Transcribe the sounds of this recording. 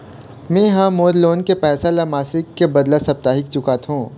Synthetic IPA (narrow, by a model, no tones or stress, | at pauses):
mẽɦãmoːɾloːnkepɛːsalamaːsɪkːebɐd̪lasɐb̚t̪aːɦɪkt͡ʃʊkat̪ɦũː